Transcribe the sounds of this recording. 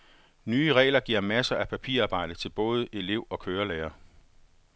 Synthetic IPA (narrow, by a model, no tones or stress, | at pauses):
nyːəʁɛ̰ːlɐɡ̥iɐ̰mæsɐʔæpʰæpʰḭɐɑ̈ːb̥ɑ̈ɪ̰d̥ət͡sʰe̝lb̥ɔ̽ːð̞̩ˠəʔe̝le̝ʊɒ̽kʰøːɐleːɐ